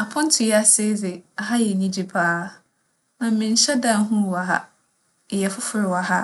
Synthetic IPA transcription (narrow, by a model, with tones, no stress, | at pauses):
a˨pʰʊ̃˦n˦tʰʊ˨jɛ˦a˨se˦d͡zɪ˨a˨ɦa˦jɛ˨ɲĩ˦d͡ʑi˦pʰaː˦ | nã˨m̩˦mɪ̃˨n̩˨ɕɛ˦dã˦n˦ɦũ˦˨wa˨ɦa̰˦˨ | jɛ˨fʊ˦fʊ˨ɾɪ˨wa˨ɦa˦